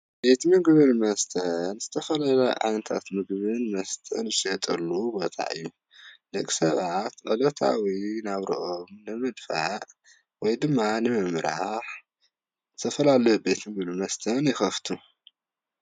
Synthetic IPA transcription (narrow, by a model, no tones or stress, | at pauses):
be̞t̪mɨɡβɨnmɐst̪ʰɐnz̥ɨt̪ʰɐfɐlalɐjʕa̰jnt̪ʰa̰t̪mɨɡβɨnmɐst̪ʰɐnjɪʃɐt̪ʼɐlːubo̞t̪ʰa̰ʔɨ̰jːu | lɐkʼi̥sɐβat̪ʕɨlot̪ʰa̰winaβɾḭʔomnɨmɨd̪faʔ | wɔjd̪ɨmːanɨmɨmɾaħ | zɨt̪ʰɐfɐlalɐjube̞t̪mɨɡbɨlɨmɐst̪ʰɐnjɪxɐft̪ʰu